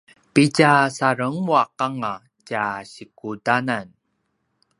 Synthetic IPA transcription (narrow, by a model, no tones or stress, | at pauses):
piɟasaɾəŋwaqaŋa | caɕikudanan